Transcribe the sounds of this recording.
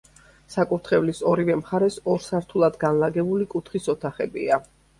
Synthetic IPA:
sakʼuɾt̪ʰχɛvlisɔɾivɛmχaɾɛsɔɾsaɾt̪ʰulˠad̪ɡanlaɡɛbulikʼut̪ʰχisɔt̪ʰaχɛbḭa

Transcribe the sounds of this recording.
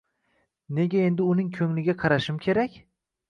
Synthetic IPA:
ne̞ɡʲae̞nd̪ɪʊnɪŋkʲʰɵŋlɪɡʲaqʰɑɾaʃɪmkʲʰe̞ɾakʲ

